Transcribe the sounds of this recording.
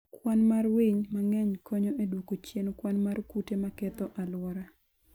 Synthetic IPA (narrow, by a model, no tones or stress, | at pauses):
kwanmarwiɲmaŋɛɲkɔɲɔedwokot͡ʃjenkwanmarkutemakɛt̪ɔʔalwɔɾa